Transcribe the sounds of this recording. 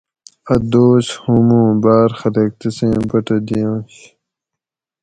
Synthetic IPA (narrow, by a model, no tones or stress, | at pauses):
ɐd̪oːshumũːbaːɾxɐɾek̚t̪isẽːbɐʈɐd̪ijõːɕ